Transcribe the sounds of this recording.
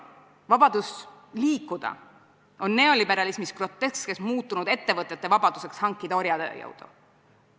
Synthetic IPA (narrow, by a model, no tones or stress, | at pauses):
vɑb̥ɑd̪̥us | liːkːˑud̪̥ɑ̰ | o̞nːe̞o̞libe̞ɾɑlismispro̞t̪ːe̞ske̞smuːt̪ːˑunud̪e̞t̪ːe̞vɤt̪ˑːet̪ːe̞vɑb̥ɑd̪̥use̞kshɑŋkːˑid̪̥ɑo̞ɾjɑd̪̥ḛːjɤ̰wd̪̥u̥̰